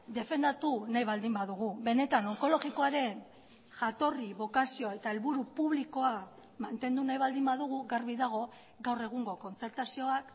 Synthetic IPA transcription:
d̪e̞fe̞nd̪at̪unajβald̪imbaðuɣ̞uβe̞ne̞t̪ano̞ŋko̞lo̞ɣiko̞aɾe̞n | ʝat̪o̞riβo̞kasio̞e̞t̪ae̞lβuɾupuβ̞liko̞a | mant̪e̞nd̪unajβald̪imbaðuɣ̞uɡaɾβiðaɣ̞o̞ | ɡawre̞ɣ̞uŋɡo̞ko̞nt͡se̞ɾt̪asio̞ak

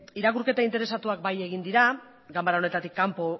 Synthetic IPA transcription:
iɾakuɾke̞t̪aint̪e̞ɾe̞sat̪uak̚baje̞ɣind̪iɾa | ɡambaɾao̞ne̞t̪at̪ikːampo̞

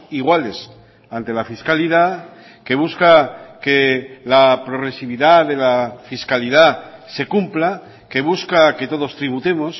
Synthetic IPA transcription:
iɣwale̞s | ant̪e̞lafiskaliða | ke̞β̞uskake̞lapɾo̞ɣ̞ɾe̞siβiðaðe̞lafiskalið̞ase̞kumpla | ke̞β̞uskake̞t̪o̞ðo̞st̪ɾiβ̞ut̪e̞mo̞s

